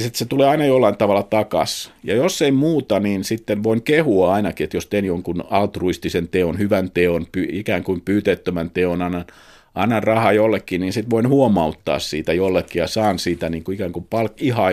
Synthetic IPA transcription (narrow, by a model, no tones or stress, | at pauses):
sit̪set̪uleːɑinɑjolːɑint̪ɑʋɑlːˑɑt̪ɑkɑ̰sjɑjosːeimuːt̪ɑniːnsit̪ːenʋoinkehuɑɑinɑkiet̪jost̪eːnjoŋkunɑlt̪ruist̪isent̪eonhyʋænt̪eonpyikæːŋkuimpyːt̪et̪ːømænt̪eonɑnːɑn | ɑinɑrrɑhɑjolːekːiniːnsit̪ʋoinhuomɑut̪ːɑ̰ːssḭːt̪æjolːekːijɑsɑːnsiːt̪æniːŋkuikæːŋkupɑlkihɑː